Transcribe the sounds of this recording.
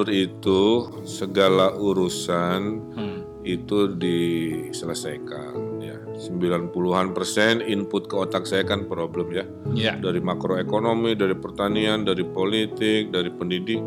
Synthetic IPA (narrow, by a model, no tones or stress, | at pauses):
ɾit̪u | səɡalauɾusan | it̪udisələsajka̰nja | səmbilanpuluɦanpərsɛnimpʊt̪̚kəot̪ak̚sakanpɾobləmja | daɾimakɾoekonomidaɾipərt̪aniandaɾipolit̪ɪk̚daɾipəndidɪk̚